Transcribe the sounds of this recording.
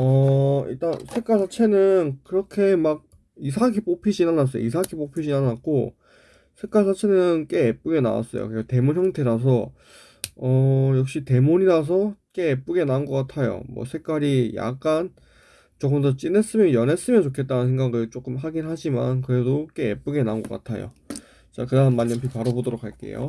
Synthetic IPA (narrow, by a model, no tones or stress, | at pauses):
ʌḭɭt͈ansʰe̞k͈aɭsʰat͡ɕʰe̞nɯnkɯɾʌkʰe̞maɡ̚ | is̬ʰakʰip͈opʰid͡ʑinanas͈ʌjo̰isʰakʰip͈opʰid͡ʑinanat̚k͈o | sʰe̞k͈aɭsʰat͡ɕʰe̞nɯnk͈e̞ːp͈̚uɡe̞na̰wa̰s͈ʌjo̰kɾeɡate̞munçjʌŋtʰe̞ɾas̬ʰʌ | ʌjʌk̚ɕ͈ite̞moɲiɾas̬ʰʌk͈e̞ːp͈uɡe̞naɯnɡʌk͈atʰajo̰mwʌ̰sʰe̞k͈aɾija̰k̚k͈an | t͡ɕoɡɯmdʌt͡ɕ͈ine̞s͈ɯmjʌnjʌne̞s͈ɯmjʌnt͡ɕokʰe̞t͈̚anɯnsʰeŋɡaɡɯɭt͡ɕ͈ok͈ɯmɦaɡinɦad͡ʑima̰nkɯɾe̞dok͈e̞ːp͈uɡe̞nanɡʌk͈a̰tʰa̰jo̰ | t͡ɕ͈akɯdaɯnmaɲːʌmpʰipaɾʌbodoɾok̚ʰaɭk͈e̞̰jo̰